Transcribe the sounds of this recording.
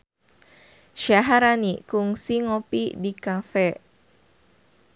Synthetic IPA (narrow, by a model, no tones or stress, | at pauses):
ʃaɦaɾanikuŋsiŋopidikafɛ